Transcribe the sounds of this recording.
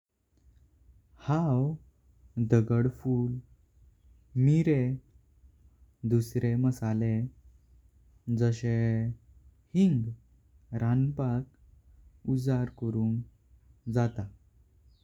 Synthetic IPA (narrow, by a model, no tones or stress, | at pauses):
haw | d̪əɡəɽfuːl | miɾe | d̪usɾeməsale | d͡zəɕe | hiŋɡ | ɾanpak̚ | ud͡zaɾkəɾuːn | d͡zat̪a